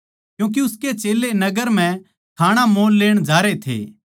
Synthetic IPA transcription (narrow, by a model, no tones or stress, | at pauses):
kjũːk̬iʊsket͡ʃeːlenɐɡəɾm̤ɛ̃ | kʰaːɽ̃amoːlːeːɽ̃d͡ʒaːɾet̪ʰḛː